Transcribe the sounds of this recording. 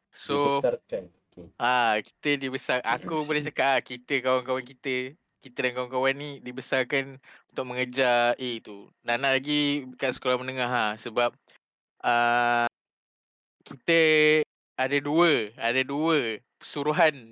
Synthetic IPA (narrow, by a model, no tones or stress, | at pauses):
soarkan | aki̥t̪ədibəsarʔa̰kubəlat͡ʃakaʔkit̪əkawaŋkawankit̪ə | kit̪ədankawaŋkawanːidibəsarkanunt̪ʊk̚məŋəd͡ʒaet̪u | naʔnaʔlaɡikaʔsə̥kolamənəŋaɦahsəbap̚ | ʔə | kit̪ə | adəduəadəduəpə̥suɾuɦan